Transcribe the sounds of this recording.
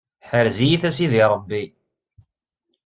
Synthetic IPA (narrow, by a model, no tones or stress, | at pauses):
ħəɾzijiθæsiðiɾˤəbːi